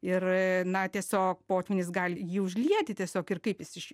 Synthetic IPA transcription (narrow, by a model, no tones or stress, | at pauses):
ɪrnɐt̪ʲiɛsʲoːkpoːt̪ʲʋʲɪnʲɪsɡɑlʲjiːʊʒʲlʲiɛt̪ʲɪt̪ʲiɛsʲoːkɪrkɐɪpjɪsɪʃʲ